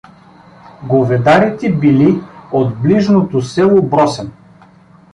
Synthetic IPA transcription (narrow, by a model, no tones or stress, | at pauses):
ɡovɛd̪aɾit̪ɛbiliod̪bliʒnot̪osɛlˠobɾɔsɛn